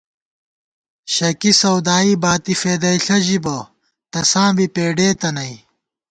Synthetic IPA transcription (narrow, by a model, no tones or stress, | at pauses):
ɕɐkisɐwd̪aːibaːt̪ifeːd̪ɐiɬɐʑibɐ | t̪ɐsãːbipeːɖeːt̪ɐnɐi